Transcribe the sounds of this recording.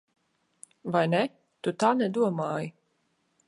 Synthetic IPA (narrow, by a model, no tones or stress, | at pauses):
vajnɛ | t̪ut̪aːnɛd̪uɔmaːji